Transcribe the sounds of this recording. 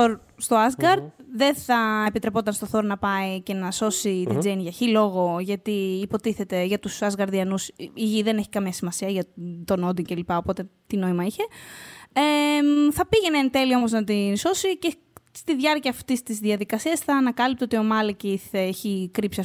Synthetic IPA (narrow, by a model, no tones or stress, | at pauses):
oɾ | st̪o̞ɐzɡɐɾd̪ðe̞θɐepit̪ɾe̞po̞t̪ɐnst̪o̞θo̞ɾnɐpɐice̞nɐso̞sit̪id͡zenʝɐçilo̞ɣo̞ʝɐt̪iːpo̞t̪iθe̞t̪e̞ʝɐt̪usɐzɣɐɾðiɐnusiʝiðe̞ne̞çi̥kɐmiɐsimɐsiɐʝɐt̪o̞nod̪iŋce̞lipɐo̞po̞t̪e̞t̪ino̞imɐiçe̞ | eθɐpiʝe̞nent̪e̞lio̞moznɐt̪inso̞sice | st̪iðʝɐɾciɐːft̪ist̪izðiɐðikɐsiɐsθɐːnɐkɐlip̚t̪iot̪io̞mɐlɐciθeçikɾipsiɐ